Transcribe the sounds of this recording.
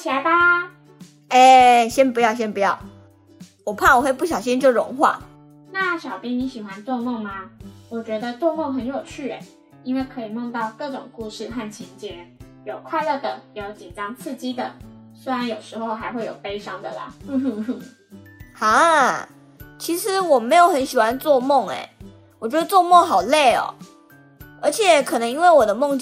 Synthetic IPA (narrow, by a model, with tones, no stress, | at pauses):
t͡ɕʰi˨˩a˧˥ɪba˧ | e˥˧ɕjɛ˥npu˧˥jɑ˥˧ʊɕ̬jɛ˥npu˧˥jɑ˥˩ʊ | wɔ˨˩pʰa˥˩nwɔ˨˩xwe˥˧ɪpu˥˩ɕjɑ˨˩ɕ̬i˥˦nt͡ɕo˥˧˩ɻʊ̰˧˥˦ŋxwa̰˥˩ | na˥˩ɕjɑ˨˩ʊpji˥ŋni˧˥ɕi˨˩xwa˦nt̪wɔ˥˧ŋmɤ˥˩ŋma˩wɔ˨˩t͡ɕɥɛ˧˥d̪ə˧t̪wɔ˥˧ŋmo˥˩ŋxə˧˥njo˨˩ʊt͡ɕʰy˥˩ḛ˨˩ɪ | i˥nwe˥˩ɪkʰɤ˧˥i˨˩mo˥˧ŋt̪ɑ˥˧ʊkɤ˥˩ʈ͡ʂʊ˨˩ŋku˥˧ʂɻ̩˥˧xa˥˩nt͡ɕʰi˧˥nt͡ɕjɛ˥n | jo˨˩ʊkʰwa˥˧ɪlə˥˩d̪ə˩˧˩jo˥˩t͡ɕi˨˩nʈ͡ʂɑ˥ŋt͡sʰɹ̩˥˩t͡ɕi˥d̪ə˨swe˥ɪɻa˧˥˦njo˨˩ʊʂɻ̩˧˥xo˥˧ʊxa˧˥ɪxwe˥˩jo˨˩ʊpe˥ɪʂɑ˥ŋd̪ə̰˨lə̰˩˥ | ha˧˥˦ | t͡ɕʰi˧˥ʂɻ̩˧˥˦wɔ˨˩me˧˥ɪjo˨˩ʊxə˧˥nɕi˨˩xwa˧˦˥nt͡swɔ˥˧mo˥˩ŋḛ˨˩ɪ | wɔ˨˩t͡ɕɥɛ˧˥d̪ə˧t͡swɔ˥˧mo˥˩ŋxɑ˨˩ʊle˥˩ɪɔ̰˨˩ | ə˞˧˥t͡ɕʰjɛ˨˩˦kʰɤ˨˩nɤ˧˥ŋi˥nwe˥˩ɪwɔ˨˩d̪ə˦mo˥˧ŋt͡ɕ